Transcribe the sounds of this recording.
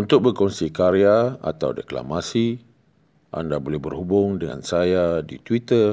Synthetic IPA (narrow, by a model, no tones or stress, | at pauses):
unt̪ʊk̚bərkɔnsikaɾiaa̰t̪awdekla̰masi | ʔa̰ndabolɛhbərhubʊŋdəŋa̰nsajadit̪wit̪ər